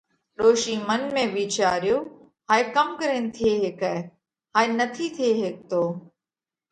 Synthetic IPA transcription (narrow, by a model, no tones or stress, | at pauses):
ɗoːʃiːmənmẽːʋiːt͡ʃaːɾjoː | ɦaːekəmkəɾeːnɪ̆t̪ʰieːɦeːkɛː | haːenət̪ʰiːt̪ʰieːɦeːk̚t̪oː